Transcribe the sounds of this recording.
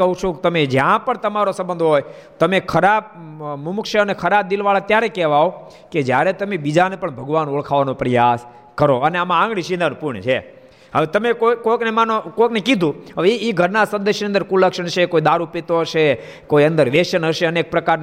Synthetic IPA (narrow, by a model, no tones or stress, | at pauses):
kəɦũt͡ʃʰokt̪əmed͡ʒjãpəɳt̪əmaɾosəmbənd̪ʱoɦoj | t̪əmekʰəɾab̚mumʊkʃəənekʰəɾab̚d̪ilʋaɭat̪jaɾekɛʋao | ked͡ʒjaɾet̪əmebid͡ʒanepəɳbʱəɡʋanoɭkʰaʋanopɾəjas | kəɾoəneamããŋɡɽiʃĩnd̪ənũpuɾɳt͡ʃʰe | ə̰ʋet̪əmekokoknemanokoknekid̪ʱũəʋiɡʱəɾnasə̃nd̪əʃniənd̪əɾkulːəkʃəɳt͡ʃʰekoid̪aɾupet̪oəʃe | koiə̃nd̪əɾʋeʃənɦəʃeəneek̚pɾəkaɾn